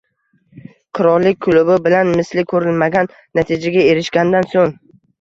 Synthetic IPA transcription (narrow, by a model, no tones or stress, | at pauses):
qʰɨɾɒɾlːɪk̚ʲkʰːʊlʊbɪbɪlanmɪslɪkʰɵɾɪlmaɡʲanːat̪ʰɪd͡ʒaɡʲae̞ɾɪʃɡʲand̪ansoŋ